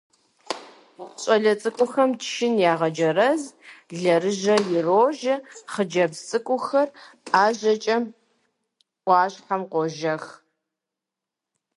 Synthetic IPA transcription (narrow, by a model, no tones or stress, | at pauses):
ɕʼɐɮɐt͡sʼɨkʷʼʊxɐmtʃɪnjaːʁɐd͡ʒɐrɐzɮɐrɨʑɐjɪroːʒɐχəd͡ʒɐbt͡sʼɨkʷʼʊxɐraːʒɐt͡ʃʼɐ | ʔʷɑːɕħamqʷɔʒɐx